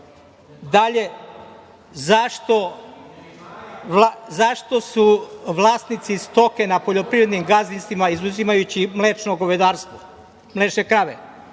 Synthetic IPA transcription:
d̪aʎe | zaʃt̪o̞ | lazaʃt̪o̞suʋlˠaːst̪nit̪sist̪o̞ke̞napo̞ʎo̞pɾiʋɾed̪nimɡazinst̪ʋimaizuzimajut͡ɕimleːt͡ʃnoɡoʋe̞d̪aːɾst̪ʋo | mleːt͡ʃekɾaʋḛ

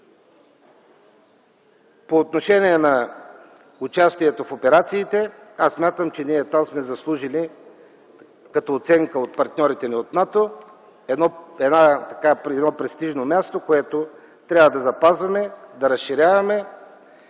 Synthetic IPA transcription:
poːt̪noʃɛniɛnɐ | ʊt͡ʃast̪iɛt̪ofopɛɾat̪siːt̪ɛasːmʲjat̪əmt͡ʃɛniɛt̪amsmɛzɐslˠuʒili | kɐt̪oːt̪sɛŋkəot̪̚pɐɾt̪nʲɔɾit̪ɛniot̪nat̪o | ɛd̪nɔɛd̪nat̪ɐ̥kapɾɛd̪nɔpɾɛst̪iʒnomʲast̪okoɛt̪o | t̪ɾʲjabvɐd̪ɐzɐpazvɐmɛd̪ɐɾɐsʃiɾʲavɐmɛ

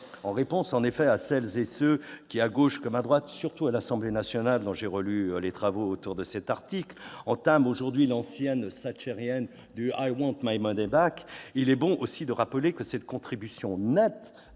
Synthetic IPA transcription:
ɑ̃ʁepɔ̃sɑ̃nefɛasɛlzesøkʲiaɡoʃkɔmad̪ʁwat̪syʁt̪ualasɑ̃blenasjɔnald̪ɔ̃ʒeʁəlyølet̪χavoːt̪uʁd̪əsɛt̪aʁt̪iklɑ̃t̪amoʒuʁd̪ɥilɑ̃sjɛnsat͡ʃɛʁjɛn | d̪yajwɑ̃t̪majmɔd̪ɛbakilɛbɔ̃ʔosid̪əʁapəlekəsɛt̪kɔ̃t̪χibysjɔ̃nɛt̪

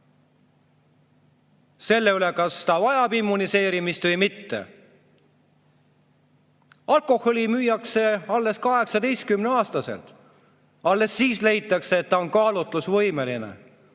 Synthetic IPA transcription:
se̞lːe̞yle̞kɑst̪ɑvɑjɑbimːunise̞ːɾimist̪vɤjmit̪ːe̞̰ | ɑlko̞ho̞lʲimyːjɑkse̞ɑlːe̞skɑɦe̞ksɑd̪e̞jst̪̚kymneɑːst̪ɑse̞̰lt̪ | ɑlːe̞sːiːsle̞jt̪ːˑɑkseːt̪ːɑo̞nkɑːlut̪lusvɤjme̞linḛ

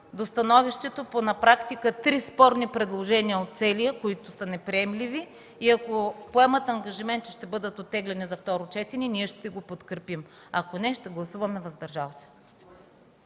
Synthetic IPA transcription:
d̪ost̪ɐnɔviʃt̪ɛt̪oponɐpɾakt̪ikət̪ɾispɔɾnipɾɛd̪lˠoʒɛniəot̪̚t̪sɛlijəkoit̪ʊsənɛpɾiɛmliviː | ɐkopoɛmət̪ɐŋɡɐʒimɛnt̪̚t͡ʃɛʃt̪ɛbɤd̪ət̪ot̪ːɛɡlɛnizɐft̪ɔɾʊt͡ʃɛt̪ɛniniɛʃt̪ɛɡopot̪kɾɛpim | ɐkonɛʃt̪ɛɡlˠɐsuvɐmɛvɐzd̪ɐɾʒalˠsɛ̥

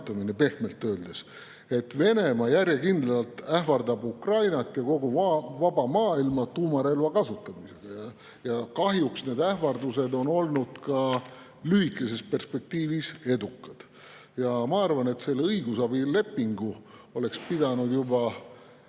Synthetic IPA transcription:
t̪ːˑɑminepe̞hme̞lt̪ːøːld̪̥es | e̞t̪ːve̞ne̞mɑjæɾjekind̪lɑlt̪ˑæhvɑrd̪ɑbukrɑjnɑt̪ːˑjɑko̞ɡuvɑbɑmɑːilmɑt̪uːmɑɾe̞lvɑkɑsut̪ːˑɑmiseɡ̥ɑjɑ | jɑkɑɦjuksne̞ːd̪æhvɑrd̪use̞d̪o̞no̞lnud̪̥kɑ | lyhikːˑe̞se̞spe̞rspe̞k̚t̪iːvise̞d̪ukːˑɑd̪̥ | jɑmɑɑrvɑne̞t̪se̞lːeɤjɡusɑbile̞pːiŋɡuo̞le̞kspid̪ɑnud̪jubɑ

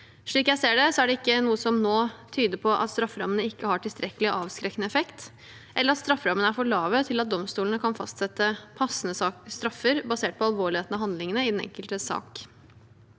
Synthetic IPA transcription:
ʂɭiːkjæɪseːɖɛsɔæɖɛɪkːənuːəsɔmnoːt̪ʰyːd̪əpʰɔʔɑ̰t̪st̪ɾɑfːɾɑmənəɪkːəhɑʈʰɪlst̪ɾɛkəlɪʔɑːʋskɾɛkːnəɛfɛkt̪ | ʔɛləɾɑt̪st̪ɾɑfːɾɑmənəæɾfɔɭɑːʋət̪ʰɪlɑt̪̚d̪ɔmst̪uːlənəkʰɑnfɑ̰st̪sɛt̪ːəpʰɑsːənəst̪ɾɑfːəɾbɑseːʈ̚pʰɔɑlʋoːɭɪheːt̪n̩ɑɦɑnd̪lɪŋənəɪd̪ɛnɛ̰ŋkəlt̪əsɑ̰ːk

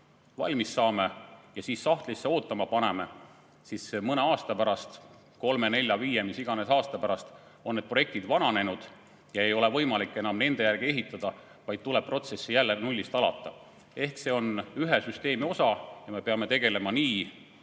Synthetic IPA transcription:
vɑ̰lʲmisːɑːme̞jɑsiːsːɑht̪lisːeo̞ːt̪ːˑɑmɑpɑne̞me̞ | sismɤneɑːst̪ɑpæɾɑst̪ | ko̞lme̞ne̞lʲːjɑviːje̞misiɡ̥ɑne̞sɑːst̪ɑpæɾɑst̪ | o̞nnːed̪̚pro̞je̞kt̪id̪̥vɑnɑne̞nud̪̥ | jɑe̞jo̞levɤ̞jmɑlikːˑe̞nɑmne̞nd̪e̞jærɡ̥ie̞ɦit̪ːˑɑd̪̥ɑ | vɑjd̪̥̚t̪uleb̥̚pro̞t̪se̞sːijælːenulʲːist̪ɑlɑ̰t̪ːˑɑ | e̞hkse̞o̞nyɦesyst̪e̞ːmio̞sɑjɑme̞peɑme̞t̪e̞ɡ̥e̞le̞mɑniː

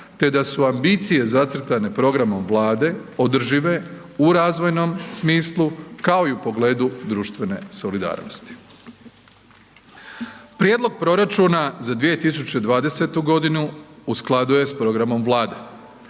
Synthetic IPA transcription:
t̪e̞d̪asuambit̪sije̞zat̪sɾ̩t̪ane̞pɾo̞ɡɾamo̞mʋlˠaːd̪e̞od̪r̩ʒiʋe̞ | uɾaːzʋojno̞msmiːslˠukao̞iupo̞ɡle̞ːd̪ud̪ɾuːʃt̪ʋe̞ne̞̰so̞lid̪a̰ːɾnost̪i̥ | pɾjed̪lˠo̞ɡ̚pɾo̞ɾat͡ʃuːnazad̪ʋije̞t̪is̬ut͡ɕe̞d̪ʋaːd̪e̞se̞t̪uɡo̞d̪inuusklˠad̪uje̞spɾo̞ɡɾamo̞mʋlˠaːd̪e̞

